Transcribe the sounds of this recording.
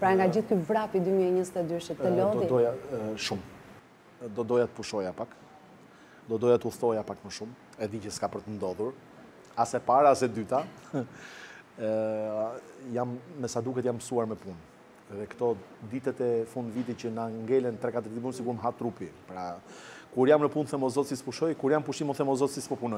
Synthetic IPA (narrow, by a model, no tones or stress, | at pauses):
pɾaŋɡad͡ʑiθkyvɾapid̪ymiɛɲəzət̪ɛd̪yʃɛəlɔid̪ɔjaʃum | d̪ɔd̪ɔjat̪ə̥puʃɔjapak | d̪ɔd̪ɔjat̪əuθt̪ɔjapakməʃum | ɛðicəskapəɾt̪ənd̪ɔðuɾ | asɛpaɾaːsɛd̪yt̪a | jamːɛsad̪ukɛt̪jampsuaɾmɛpun | ɛðɛkt̪ɔd̪it̪ɛt̪ɛfund̪vit̪icənaŋɡɛlɛnt̪ɾɛkat̪əɾd̪ipunsiɡuɾməɦat̪ɾupipɾakuɾjamnəpunθɛmɔzɔt̪sispuʃɔjkuɾjampuʃimunθɛmɔzɔt̪sispɔpunɔj